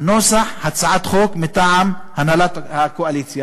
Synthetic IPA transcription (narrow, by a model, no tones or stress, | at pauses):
nosaħhat͡saʕat̪χokmit̪aʕamhanalat̪hakoalit͡sja